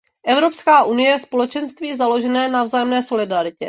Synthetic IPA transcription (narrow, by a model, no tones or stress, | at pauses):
ʔɛvɾo̞pskaːʔunɪjɛjɛspo̞lɛt͡ʃɛnst̪viːzalo̞ʒɛnɛːnavzaːjɛmnɛːso̞lɪdaɾɪcɛ̰